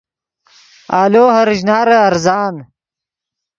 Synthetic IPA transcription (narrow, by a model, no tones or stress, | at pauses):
aːloːhɐɾiʑnaːɾeɐɾzaːn